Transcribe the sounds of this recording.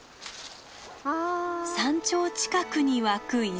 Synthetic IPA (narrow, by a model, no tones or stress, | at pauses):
sãɲt͡ɕo̞ːt͡ɕi̥kakɯɲ̟iβakɯ̟i